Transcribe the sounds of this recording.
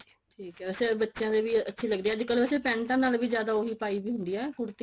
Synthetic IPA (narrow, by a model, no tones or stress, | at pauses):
ʈʰiːkɛːbɛsebətːʃjãːd̪eːʋiːətːʃʰiːləɡd̪eːɛːəd̪ɪkːəlbɛːseːpɛ̃ːnʈ̪ãːnaːlʋiːzjaːd̪aːoɦiːpaːiːʋiːɦʊnd̪iːɛːkʊɾt̪i